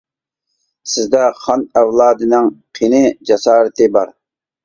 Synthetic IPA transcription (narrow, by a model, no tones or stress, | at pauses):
sɪzd̪ɛχɑnæwlˠɑːd̪ɨnɪŋqʰenɪd͡ʒɑsɑːɾɨt̪ʰɪbɑ̰ɾ